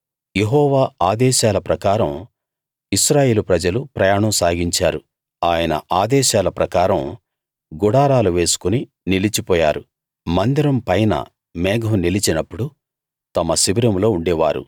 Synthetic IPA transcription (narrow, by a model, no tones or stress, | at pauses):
je̞ɦɔːʋaːaːd̪ɛːʃaːlɐpɾɐkaːɾɐm | iʃɾaːje̞ːlupɾɐd͡ʒɐlupɾɐjaːɳɐmsaːɡiɲt͡ʃaːɾu | aːjɐnɐ̰ʔaːd̪ɛːʃaːlɐpɾɐkaːɾɐm | ɡuɽaːɾaːluʋe̞ːsu̥kuni | nilit͡ʃipɔːjaːɾu | mɐnd̪iɾɐmpɐjnɐ̰ | mɛːɡɐɦunilit͡ʃinɐpːuɽu | t̪ɐmɐsibiɾɐmlo̞ːuɳɖɛːʋa̰ːɾṵ